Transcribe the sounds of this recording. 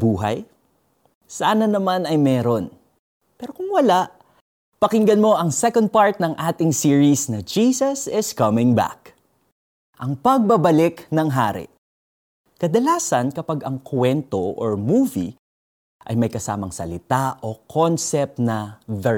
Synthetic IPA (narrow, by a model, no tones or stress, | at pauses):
buːɦɐ̰j | saːnɐnɐmanɐjmɛːɾo̞n | pɛːɾo̞kʊŋwɐlaʔ | pɐkɪŋɡɐnmo̞ʔɐŋsɛkond̪̚paɹt̪̚nɐŋʔaːt̪ɪŋsiɹisnɐd͡ʒiːsɐsɪskɐmɪ̃ŋba̰k | ʔɐŋpɐɡ̚bɐbɐlɪknɐŋɦa̰ːɾɪ̰ʔ | kɐd̪ɐlaːsɐnkɐpaɡɐŋkʰwɛnt̪oʔo̰ɹmuːvḭ | ʔɐ̰jmɐjkɐsa̰ːmɐ̰ŋsɐ̰lɪt̪aʔokʰonsɛp̚t̪̚nɐðɛ